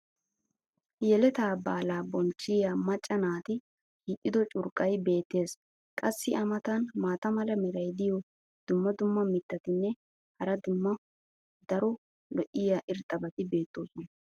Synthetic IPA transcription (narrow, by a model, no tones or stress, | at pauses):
jɛlɛt̪aːbaːlaːbɔnt͡ʃːɪjaːmɐt͡ʃʼːɐnaːt̪ɪ | kiːʔ̪ʼːɪd̪ɔt͡ʃʼʊɾkʼːɐjbe̞ːt̪ːe̞ːs | kʼɐsːɪʔɐmɐt̪ɐnmaːt̪ɐmɐlɐmɪɾɐjd̪ɪjɔ | d̪̥ʊmːɐd̪ʊmːɐmɪt̪ːɐt̪ɪnːɛ | hɐɾɐd̪ʊmːɐ | d̪ɐɾɔ | lɔʔɪjaːʔɪɾt̪ʼːɐbɐt̪ɪbe̞ːt̪ːo̞ːsɔnɐ